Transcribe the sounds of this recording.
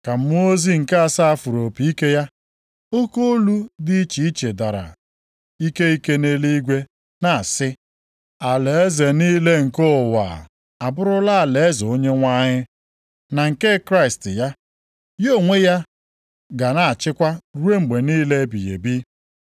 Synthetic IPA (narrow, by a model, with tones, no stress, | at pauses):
ka˨m̩˦m˦o˦zi˦ŋ̩˨ka˦a˨sa˦a˦fu˨ɾo˨pi˨i˦ke˦ja˦ | o˦ko˦o˦lu˦di˦i˦t͡ʃi˨i˦t͡ʃe˨da˨ɾa̰˨ | i˦ke˦i˦ke˦ne˦li˦ɡʷe˦ | na˨a˨sɪ˦ | a˨le˨e˦ze˨niː˦le˦ŋ̩˨ko˦˨wa̰˨ | a˨bʊ˦ɾʊ˦la˦˨le˨e˦zo˦ɲe˦ŋʷa˦ɲɪ˦ | na˨ŋ̩˨ke˦kɾa˦ɪ˨stɪ˨ja˦ | jo˦˨ŋʷe˦ja˦ | ɡa˨na˨t͡ʃɪ˦kʷa˦ɾu˦e˦ŋ͡m̩˨ɡ͡be˨niː˦le˦bḭ˨jḛ˨bi˦